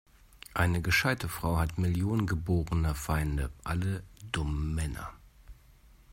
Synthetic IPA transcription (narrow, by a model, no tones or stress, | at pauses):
ʔaɪnəɡəʃaɪtəfʁ̥aʊhatmɪljoːnənɡəboːʁənɐfaɪndəʔaləd̥ʊmən̩ːɛnɐ̰